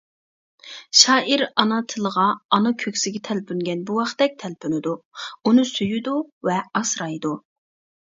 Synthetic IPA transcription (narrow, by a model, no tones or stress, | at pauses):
ʃɑːʔiɾɑnɑt̪ʰɨlˠəʁɑɑnɑkʲʰøkʲsɪɡʲɛt̪ʰɛlpʰyŋɡʲɛnbuwɑχd̪ɛk̚ʲt̪ʰɛlpʰynɪd̪uunɨsyjyd̪uvɛɑsɾɑjd̪u